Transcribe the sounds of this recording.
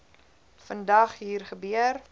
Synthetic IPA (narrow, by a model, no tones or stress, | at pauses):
fəndɐχɦiːrχəbyər